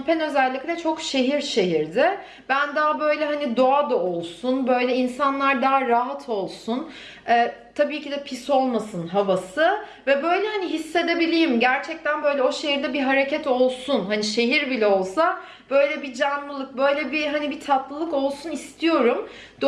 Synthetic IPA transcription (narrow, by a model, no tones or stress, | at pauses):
pʰɛnø̞zælʲːiclʲɛt͡ʃʰo̞kʃe̞ɦiɾʃe̞ɦiɾd̪ɛ | bænd̪aːbø̞jlʲɛɦanid̪o̞ad̪ao̞lˠsunbø̞jlʲɛinsanlˠaɾd̪aːaɦat̪ʰo̞lˠsun | ɛːt̪ʰabiːcid̪ɛpʰiso̞lˠmasɯnɦavasɯ | vɛbø̞jlʲɛhaniɦisːe̞d̪e̞bilʲijimɟæɾt͡ʃʰɛc̚t̪ʰænbø̞jlʲɛo̞ʃe̞ɦiɾd̪ɛbiɦaɾe̞cʰɛt̪ʰo̞lˠsunɦaniʃe̞ɦiɾbilʲɛo̞lˠsa | b̥ø̞jlʲɛbid͡ʒanlˠɯlˠɯk̚bø̞jlʲɛbiɦanibit̪ʰat̪lˠɯlˠɯko̞lˠsunist̪ʰijo̞ɾum | d̪̥